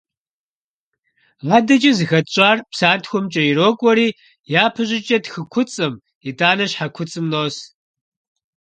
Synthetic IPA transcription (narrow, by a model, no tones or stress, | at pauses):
ʁɐdɐt͡ʃʼɪzɨxɐtɕʷʼaːrpsaːtxʷʊmt͡ʃʼɐjiɾoːkʷʼɔɾiː | jaːpʰɨʑɪt͡ʃʼɐtxɨkʷʰʊt͡sʼɨm | idaːnɐɕħakʷʰʊt͡sʼɨmnoːs